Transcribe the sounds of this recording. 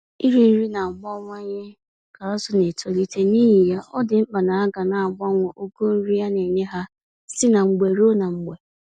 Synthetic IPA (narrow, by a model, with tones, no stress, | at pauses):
i˦ɾi˦n̩˦ɾi˦na˨ŋ͡m̩˨ɡ͡bɔ˦ŋʷa˦ɲe˦ | ka˨a˦sʊ˨ne˨to˨li˦te˦ni˦ɦi˨ja˦ʔɔ˦dɪ˨ŋ͡m̩˦k͡pa˨na˨a˦ɡa˨na˨ɡ͡bɔ˦ŋʷɔ˨ʔo˦ɡo˦n̩˦ɾi˦ja˦ne˨ɲe˦ɦa˦ | si˦na˨ŋ͡m̩˨ɡ͡be˨ɾo˦na˨ŋ͡m̩˨ɡ͡be˨